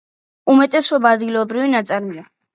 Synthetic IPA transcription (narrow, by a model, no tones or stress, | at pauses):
umɛt̪ʼɛsɔbaad̪ɡilˠɔbɾivinat̪sʼaɾmila